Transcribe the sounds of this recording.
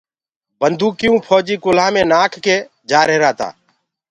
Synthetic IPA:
bənd̪ʱuːkɪjũːpʰoːd͡ʒiːkʊlãːmẽːnaːkʰkeː | d͡ʒaːɾeːɾaːt̪a̰ː

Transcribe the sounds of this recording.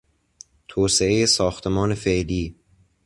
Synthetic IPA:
t̪ʰoːse̞e̞jesɒːxt̪ʰe̞mɒːne̞feʔliː

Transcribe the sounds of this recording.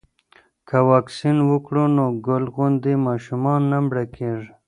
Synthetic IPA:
kawɑːksinwʊkɽunoɡʊlɣʊnd̪imɑːʃumɑnːambɽakeʐ

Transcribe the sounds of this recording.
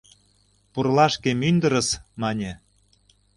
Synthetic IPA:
purlɑʃkemynd̪ə̆ɾə̆smɑnʲe

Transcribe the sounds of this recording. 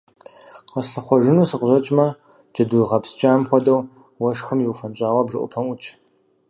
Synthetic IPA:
qɐsɬɐχʷɔʐɨnuːsɨqʑɐt͡ʃʼmɐ | d͡ʒɐdujʁɐpst͡ʃʼaːmxʷɔdɐw | wɐʂxɨmjɪwfɐnɕʼaːwɐbʐɨʔʷʊ̰pʰɐmʔʊt͡ʃʼ

